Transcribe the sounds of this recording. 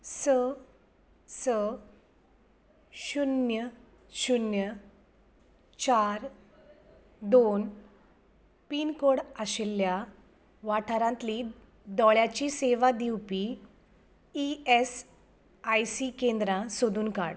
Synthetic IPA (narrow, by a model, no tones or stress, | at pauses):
sə | sə | ɕunjə | ɕunjə | t͡ɕaɾ | d̪on | piːnkoɽaɕelːja | ʋaʈʰaɾãnt̪li | d̪ɔɭjat͡ɕiːseʋad̪iwpi | ies | ajsiːkẽnd̪ɾãsod̪uːnka̰ɽ